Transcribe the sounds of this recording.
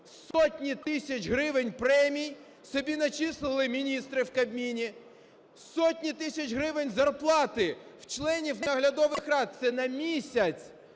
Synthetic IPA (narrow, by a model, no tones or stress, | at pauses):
ssɔtʲnʲit̪ɪsʲɐt͡ʃɦɾɪʋɪnʲpɾɛmʲij | sɔbʲinɐt͡ʃislˠɪlˠɪmʲinʲist̪ɾɪwkɐbʲmʲinʲi | sɔtʲnʲit̪ɪsʲɐt͡ʃɦɾɪʋɪnʲzɐrplˠɑt̪ɪw̥t͡ʃlˠɛnʲiwnɐɦlʲɐd̪ɔʋɪxɾɑd̪̚t̪sɛnɐmʲisʲɐt͡sʲ